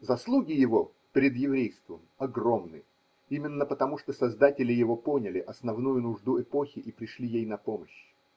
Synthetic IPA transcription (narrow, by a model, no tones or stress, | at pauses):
zɐslˠuɡʲɪjɪvo̞ | pʲɪɾʲɪd̪jɪvɾʲejst̪vəmɐɡro̞mnɨ | imʲɪnːəpət̪ɐmuʂt̪osɐzd̪atʲɪlʲɪjɪvo̞po̞nʲɪlʲɪʔɐsnɐvnujʊnʊʐd̪uɛpo̞xʲɪʔipɾʲɪʂlʲijejnɐpoməɕ